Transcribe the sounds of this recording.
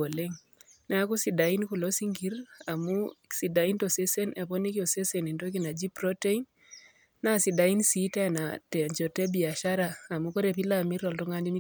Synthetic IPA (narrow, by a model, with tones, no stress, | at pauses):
o˨le˦ŋ | na˦ku˦sida˨i˦nku˨lo˦si˦ŋɡi˦ra˨musi˨da˨i˦ntɔ˨se˦se˦ne˨pɔ˦ni˦kiɔ˨se˦seni˨ntok̬ina˨d͡ʒi˦prɔte˦in | nasida˨i˦nsi˦ta˦natɛ˨ɲt͡ʃɔ˨tɛ˦bi˨a˨ʃaɾaː˨muko˦ɾɛpi˦lami˦ɾɔ˨ltɔ˦ŋa˦ndi˦ni